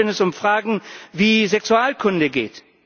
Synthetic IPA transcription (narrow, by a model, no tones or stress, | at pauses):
ɛnɛsʊmfʁ̥aːɡŋ̩viːzɛksuaːlkʰʊndəɡḛːt